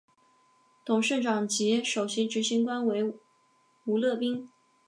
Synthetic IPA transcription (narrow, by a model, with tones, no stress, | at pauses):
t̪ʰʊ˨˩ŋʂə˥˩nʈ͡ʂɑ˨˩ŋt͡ɕjɛ˧˥ʂo˨˩ʊɕi˧˥ʈ͡ʂɻ̩˧˥ɕi˧˥ŋkwa˥nwe˧˥ɪ | u˧˥lɤ˥˩pi˥ŋ